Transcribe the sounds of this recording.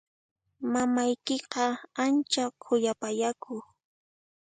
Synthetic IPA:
mamajkɪqɑant͡ʃakʰʊjapajakʰʊ

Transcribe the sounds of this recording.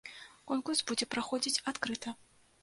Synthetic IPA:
kɔnkursbud͡zʲɛpɾaxɔd͡zʲit͡sʲat̪kɾɨt̪ɐ

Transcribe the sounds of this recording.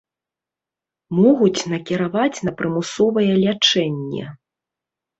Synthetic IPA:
mɔɣut͡sʲnɐkʲiɾavat͡sʲn̪ɐpɾɨmusɔvɐjɛlʲat͡ʂɛnʲːɛ̰

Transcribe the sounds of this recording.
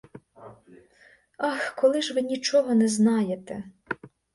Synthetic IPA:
ɑxkɔlˠɪʒʋɪnʲit͡ʃɔɦɔnɛznɑjet̪ɛ

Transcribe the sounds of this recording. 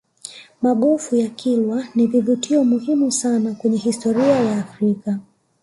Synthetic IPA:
maɠɔfujakʰilwanivivutʰiɔmuhimusanakwɛɲɛhistɔɾiajaːfɾika

